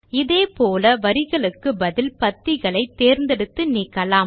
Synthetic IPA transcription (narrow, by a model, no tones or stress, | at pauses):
ɪðeːpoːlɐʋɐɾɪɣɐɭɯkːɯbɐðɪlpɐt̪ːɪɣɐɭɐɪt̪ːeːɾnd̪ɛɽɯt̪ːɯniːkːɐlaːm